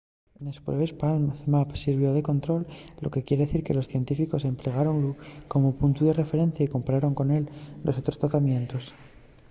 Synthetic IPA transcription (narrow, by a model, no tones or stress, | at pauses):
enespwɾeβespalθmapsiɾβ̞jo̞ðe̞ko̞nt̪ɾo̞lːo̰ke̞kjeɾeðeθiɾke̞lo̞sθje̞nt̪ifiko̞se̞mple̞ɣ̞aɾo̞nlukomopunt̪uðe̞re̞fe̞ɾe̞nθjaiko̞mpaɾaɾo̞ŋko̞ne̞lːo̞so̞t̪ɾo̞st̪ɾat̪amjẽ̞nt̪os